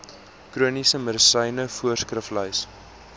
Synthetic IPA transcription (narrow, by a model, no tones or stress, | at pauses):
kruənisəməɾəsəjnəfuərskrəfləjs